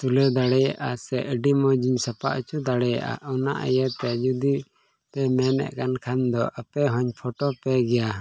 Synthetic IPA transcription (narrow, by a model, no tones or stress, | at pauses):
t̪ulɛd̪aɽɛjaʔasɛʔəɖimɔd͡ʒiɲsapaʔt͡ʃud̪aɽɛja̰ʔa̰ʔɔna̰ʔə̰jɛt̪ɛd͡ʒud̪i | pɛmɛnɛ̰ʔkankʰand̪ɔʔapɛɦɔɲpʰɔʈɔpɛɡɛja